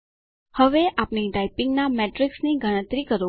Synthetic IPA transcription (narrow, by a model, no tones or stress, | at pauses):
həʋeʔapniɖaipɪ̃ŋɡnameʈɾɪksniɡəɽ̃ə̃t̪ɾikəɾũ